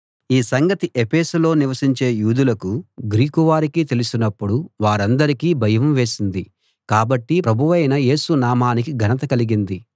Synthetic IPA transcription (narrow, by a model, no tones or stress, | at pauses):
iːsɐŋɡɐt̪iʔepeːsulo̞ːniʋɐsiɲt͡ʃe̞ːjuːd̪ulɐkuɡɾiːkuʋaːɾikiːt̪e̞lusinɐpːuɽuʋaːɾɐnd̪ɐɾikiːbʱɐjɐʋɐmʋe̞ːsind̪i | kaːbɐʈːipɾɐbʱuʋɐjnɐje̞ːsunaːmaːnikiɡʱɐnɐt̪ɐkɐliɡind̪i